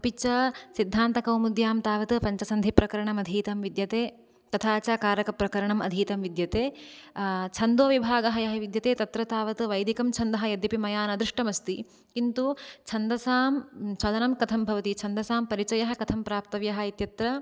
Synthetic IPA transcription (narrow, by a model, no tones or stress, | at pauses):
pit͡ʃɐsid̪ʱːaːnt̪ɐkɐwmud̪jaːmt̪aːʋɐt̪ɨpɐɲt͡ʃɐsɐnd̪ʱipɾɐkɐɾɐɳɐmɐd̪ʱiːt̪ɐmʋid̪jɐt̪eː | t̪ɐt̪ʰaːt͡ʃaːkaːɾɐkɐpɾɐkɐɾɐɳɐmɐ̰d̪ʱiːt̪ɐmʋid̪jɐt̪eː | t͡ʃʰɐnd̪oːʋibʱaːɡɐɦɐjɐɦɐʋid̪jɐt̪eːt̪ɐt̪ɾɐt̪aːʋɐt̪ʋɐjd̪ʱikɐmt͡ʃʰɐnd̪ɐɦɐ̆jɐd̪jɐpimɐjaːnɐd̪ɾiʂʈɐmɐst̪i | kint̪ut͡ʃʰɐnd̪ɐsaːmt͡ʃʰɐlɐnɐmkɐt̪ʰɐmbʱɐʋɐt̪it͡ʃʰɐnd̪ɐsaːmpɐɾit͡ʃɐjɐɦɐ̆kɐt̪ʰɐmpɾaːp̚t̪ɐʋjɐɦɐ̆it̪jɐt̪ɾɐ